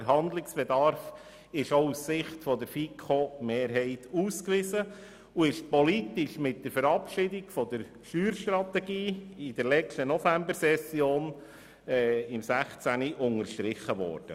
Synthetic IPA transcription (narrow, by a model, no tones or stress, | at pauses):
əɾɦɑnd̪lɪksb̥ɛd̪ɑɾf | ɪʃousːɪχt̪fɔd̪əɾfikʰomeːɾɦɛɪt̪uːskʋɪzə | uɪʃpɔlit̪ɪʃmɪt̚d̥əɾfəɾɑpʃidiɡfɔd̪əɾ | ʃyːɾʃtɾɑt̪ɛɡiːid̥əɾlɛt͡ʃtənɔfæmbəsɛsjoːn | ɛɪmsæχt͡sæniʔʊŋəɾʃtɾɪχəʋɔ̰ːɾd̥ə̰